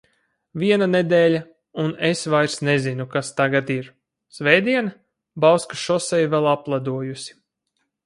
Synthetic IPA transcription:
viɛnaned̪ɛːlʲa | unesvajɾsnezinukast̪aɡat̪iɾ | svɛjd̪iɛnɐ | bawskaʃɔsɛjvɛlˠaplˠad̪uɔjusi̥

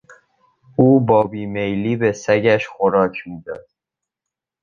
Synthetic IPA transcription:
uːbɒːbiːmejliːbe̞sæɟæʃxoɾɒːcʰmiːd̪ɒ̰ːd̪̥

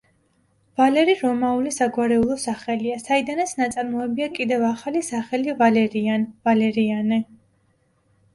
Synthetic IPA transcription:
valɛɾiɾɔmaulisaɡwaɾɛulˠɔsaχɛliasaid̪anat̪sʰnat̪sʼaɾmɔɛbiakʼid̪ɛvaχalisaχɛlivalɛɾianvalɛɾianɛ

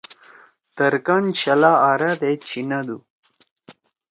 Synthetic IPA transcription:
t̪ɐɾkant͡ɕɐlaːɾad̪et͡ɕʰinad̪u

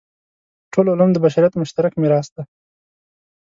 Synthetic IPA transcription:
ʈʰolʊlamd̪əbaʃɑɾjat̪mʊʃt̪aɾakmeɾɑsd̪a

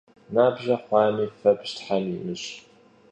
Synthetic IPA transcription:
naːbʒɐχʷɑːmiːfɐpʃtʰħamjimɨɕ

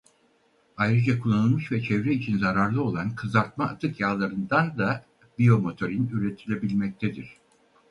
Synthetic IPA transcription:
ajɾɯd͡ʒakʰulˠːanɯlˠmɯʃvɛt͡ʃʰɛvɾɛit͡ʃʰinzaɾaɾlˠɯo̞lˠankʰɯzaɾt̪̚maːt̪ʰɯkjaːlˠaɾɯnd̪and̪a | bio̞mo̞t̪ʰo̞ɾinyɾet̪ʰilʲe̞bilʲmɛc̚t̪ʰɛd̪iɾ̝̥

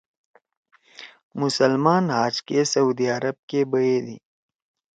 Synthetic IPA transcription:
mʊsəlmaːnɦaːd͡ʒkesɐuːd̪iɐɾəb̚kebɐjed̪ḭ

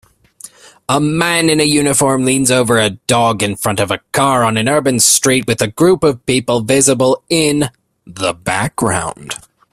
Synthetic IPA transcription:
əmæ̃nɨ̃nɨjʉnɨfɔɹmlĩnzoʊvə˞ɨdɔɡɨ̃nfɹʌ̃ntʌvɨkʰɑɹə̃nɨ̃nɜ˞bɨ̃nstɹ̥it̚wɨðɨɡɹupʌv̥pipl̩ˠvɪzəbl̩ˠɪ̃n | ðəbæk̚ɡ̥ɹã̰ʊ̃nd̥

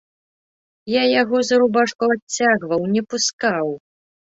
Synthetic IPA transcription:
jajaɣɔzɐɾubaʂkuat͡sʲːaɣvɐwnʲɛpuskaw

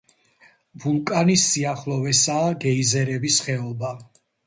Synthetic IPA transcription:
bulˠkʼanisːiaχlˠɔvɛsaːɡɛizɛɾɛbisχɛɔba

